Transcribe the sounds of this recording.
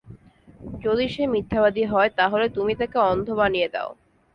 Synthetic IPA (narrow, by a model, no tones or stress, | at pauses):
d͡ʑod̪iʃemit̪ʰːaβad̪iɦɔet̪aɦolet̪umit̪akeɔnd̪ʱobanijed̪ḛo